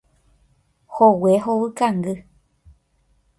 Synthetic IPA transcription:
howeɦowɨkaŋɡɨ

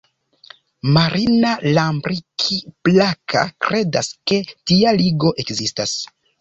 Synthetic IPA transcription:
maɾʔinalambɾikʰiplakʰa̰kɾe̞daske̞tialiɡo̞ʔe̞kzistas

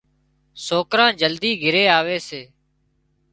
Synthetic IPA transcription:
soːkɾãːd͡ʒəld̪iːɡʱɪɾeːaːʋeːseː

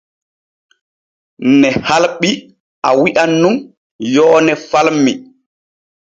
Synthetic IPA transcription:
nɛhalɓi | ʔawiʔanːum | jɔːnɛfalmːi

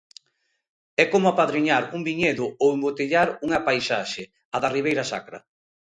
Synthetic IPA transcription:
ɛkomʊapaðɾiɲaɾuŋbiɲeðʊowembot̪eʎaɾuŋapajsaʃe | aðariβejɾasa̰kɾɐ̰

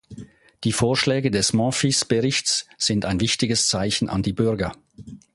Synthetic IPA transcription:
d̥iːfoːɐʃlɛːɡədɛsmɑ̃fisb̥əʁɪçtsz̥ɪntaɪnvɪçtɪɡəst͡saɪçn̩ʔa̰ndiːbʏɐɡɐ

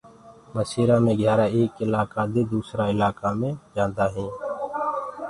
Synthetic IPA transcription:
məsiːɾãːmẽɡʱjaːɾaːeːkɪlaːkaːd̪eːd̪uːsɾaːɪlaːkamẽd͡ʒãːnd̪aːɦɛ̃ː

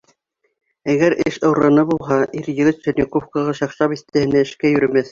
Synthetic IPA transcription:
æɡæɾʔɘʃɤ̆wɾɤnɤbulˠɦɑʔiɾjɘ̆ɡɘt̪sɵ̆nʲŏkofkɑ̆ʁɑʃɑqʃɑpiθt̪æhɘ̆næɘ̆ʃkæjɵ̆ɾɘ̆mæθ

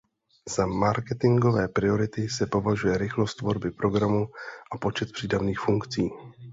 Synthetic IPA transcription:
z̥amaɾkɛt̪ɪŋɡo̞vɛːpɾɪo̞ɾɪt̪ɪsɛpo̞vaʒujɛɾɪxlo̞st̪vo̞ɾbɪpɾo̞ɡɾamuʔapo̞t͡ʃɛt̪̚pr̥iːdavniːxfuŋkt͡siː

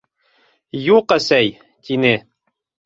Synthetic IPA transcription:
juqæsæj | t̪inɘ

